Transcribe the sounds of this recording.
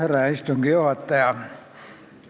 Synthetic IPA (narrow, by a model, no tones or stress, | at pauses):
eræːˑist̪oŋkiohɑt̪ːɑjɑ